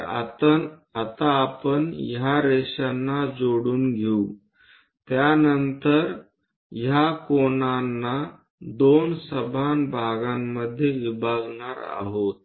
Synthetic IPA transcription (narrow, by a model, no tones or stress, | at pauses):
a̰t̪əat̪aːpəɳjaɾeɕanːad͡zoɽuːnɡʱeu | t̪janənt̪əɾ | jakoɳanːa | d̪onsəbʱanbʱaɡamːəd̪ʱːjeʋibʱaɡɳaɾa̰ɦot̪̚